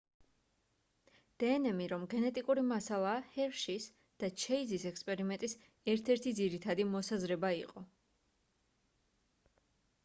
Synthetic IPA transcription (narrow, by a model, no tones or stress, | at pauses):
d̪̥ɛːnɛmiɾɔmɡɛnɛt̪ʼikʼuɾimasalˠaːhɛɾʃis | d̪̥at͡ʃʰɛizisɛkspʼɛɾimɛnt̪ʼis | ɛɾt̪ʰɛɾt̪ʰid̪ziɾit̪ʰad̪imɔsazɾɛbaḭqʼɔ